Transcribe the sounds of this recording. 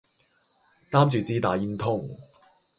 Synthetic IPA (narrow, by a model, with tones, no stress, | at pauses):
t̪aː˥mt͡ʃyː˨t͡siː˥t̪aː˨˩jiː˧˥nt̪ʰʊ˥ŋ